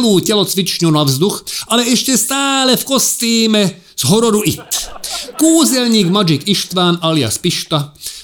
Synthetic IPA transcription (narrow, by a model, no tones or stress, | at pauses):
luːcɛlɔt͡sʋit͡ʃɲunavzd̪uxalɛɛʃcɛst̪aːlɛfkɔst̪iːmɛ | z̥ɦɔɾɔɾuʔit̪kuːzɛlɲiːɡmad͡ʒikiʃt̪ʋaːnalia̰spiʃt̪a